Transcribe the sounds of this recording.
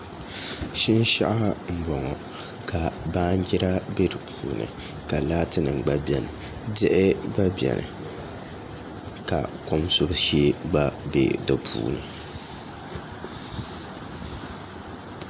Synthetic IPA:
ʃi˦n˦ʃa̰˦ʔa˦m̩˦bɔ˨ŋɔ˨ | ka˨baː˦n˦ɡɪ˦ɾa˦be˦dɨ˨pʰuː˨nɨ̰˨ | ka˨laː˦tɨ˦nɨ˨ŋɡ͡ba˦bjɛ˨nɨ˨ | dɪ˦ʔɪ˦ba˦bjɛ̰˨nʔɨ̰˨ | ka̰˨ko˦msʊ˦bʃe˦ba˦bḛ˦dɨ˨pʰṵː˨nɨ˨

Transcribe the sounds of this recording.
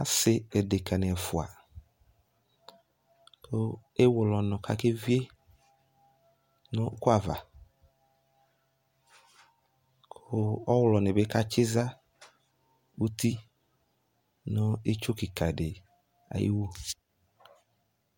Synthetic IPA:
a˦sɪ˨ɛ˨de˨kʰa˨nɪ̃˨ɛ˨fʊ˨a̰˨ | kʰʊ˦e˦wʊ˨lɔ˨nʊ̃˨kʰa̰˨ke˦vi˦e˦ | nʊ̃˦kʊ˦a˨va̰˨ | kʰʊ˦ɔ˦wlɔ˨nɪ̃˨be˦ka˦t͡ʃɪ˦za˦ | u˦t̪ʰi˦ | nʊ̃˦e˦t͡ʃʊ˦ki˨kʰa˨ɖɪ˨ | a̰˨jʔḭ˦wo˦

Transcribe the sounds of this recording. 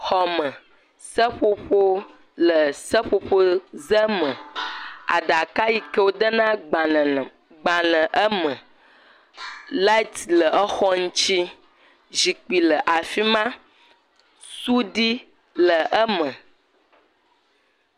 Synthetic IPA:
xɔ˨mə̃˨ | sə˦ɸo˦ɸo˦ | lə˨sə˦ɸo˦ɸo˦zə˦mə̃˨ | a̰˨ɖa˨ka˦ji˦kə˦wo˦ɖə˦nã˦˨ | ɡ͡ba˨lə̃˨ʔə˦mə̃˨ | la˦i˦t̪lə˨ʔə˦xɔ˦ŋũ˦t͡ʃi˦ | zi˨k͡pi˨lə˨ʔa˨fi˦mã˦ | su˦ɖi˦ | lə˨ʔə˦mə̃˨

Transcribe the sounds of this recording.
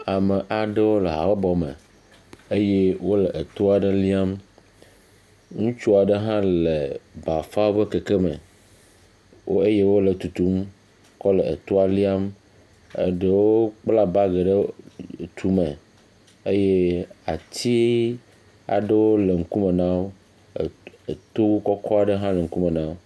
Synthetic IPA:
a˨me˨ʔa˨ɖe˦wo˦le˨ɦa̰˨wɔ˦bɔ˨mḛ˨ | e˦je˦wo˦lə˨ʔe˨t̪o˦a˨ɖe˦li˦a˦m | ŋũ˦t͡ʃu˦a˨ɖə˦ɦã˦le˨ba˨fa˦wo˦be˦ke˨ke˦mə̰̃˨ | wo˦e˦je˦wo˦lə˨t̪u˨t̪u˦m | kɔ˦lɛ˨e˨t̪o˦a˦li˦a˦m | ḛ˦ɖe˦wo˦k͡pla˦ba˦ɡe˨ɖe˦˨t̪ʰu˨mẽ˨ | e˦je˦a̰˨t̪ʰi˦ | a̰˨ɖə˦wo˦le˨ŋ̩˦ku˦me˨nã˦wo˦˨ | t̪o˦wu˦kɔ˦kʰɔ˦a˨ɖe˦ɦã˦le˨ŋ̩˦ku˦me˨nã˦wo˦

